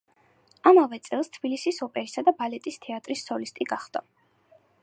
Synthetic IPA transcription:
amavɛt̪sʼɛlˠst̪ʰb̥ilisisɔpʼɛɾisad̪abalɛt̪ʼist̪ʰɛat̪ʼɾisːɔlist̪ʼiɡaχd̪ɔ

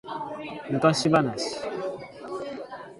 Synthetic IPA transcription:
m̩kaɕibanaɕi̥

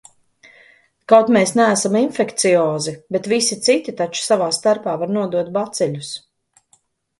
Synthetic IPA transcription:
kawt̪meːsnæːsaminfɛkt̪sijɔːzibet̪visit̪sit̪ʲit̪at͡ʃu̥savaːst̪aɾpaːvaɾnuɔd̪uɔt̪̚bat̪sɛlʲus

